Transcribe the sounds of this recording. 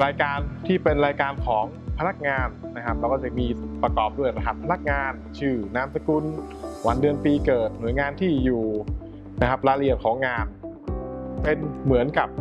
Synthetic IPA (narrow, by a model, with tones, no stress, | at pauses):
ɾaː˧jkaː˧nt̪ʰiː˥˩pe˧nɾaː˧jkaː˧nkʰɔː˩˦ŋpʰa˧a˦˥k̚ŋaː˧nːa˦˥kʰa˦˥p̚lɛ˧wkɔː˥˩t͡ɕa˧˩miː˧pɾa˧kɔː˨˩p̚du˥˩əjɾa˧da˨˩t̪̚pʰa˧na˦˥k̚ŋaː˧nt͡ɕʰɯː˧˩naː˦˥msa˧ku˧n | wa˧ndɯ˧ənpiː˧kɤː˨˩t̪̚nu˨˩˦jŋaː˧nt̪ʰiː˥˩juː˨˩ | na˦˥kʰa˦˥p̚ɾaː˧li˧˩ənkʰɔː˩˦ŋːaː˧n | pe˧nmɯ˩˦ənka˨˩p̚